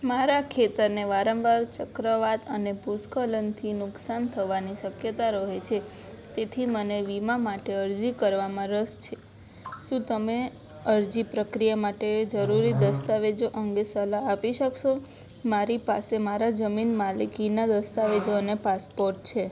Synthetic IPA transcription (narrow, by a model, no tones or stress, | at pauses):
maɾakʰet̪əɾneʋaɾəmʋaɾt͡ʃəkɾəʋat̪ənebuskələnt̪ʰinʊksant̪ʰəʋaniʃəkjət̪aɾoɦet͡ʃʰe | t̪et̪ʰiməneʋimãmaʈeəɾd͡ʒikəɾʋamãɾəst͡ʃʰe | ʃũt̪əme | əɾd͡ʒipɾəkɾijamaʈed͡ʒəɾuɾid̪əst̪aʋed͡ʒoʔəŋɡesəlaːpiʃəkʃo | maɾipa̰semaɾad͡ʒəminmalikinad̪əst̪aʋed͡ʒoənepaspoɾʈ̚t͡ʃʰe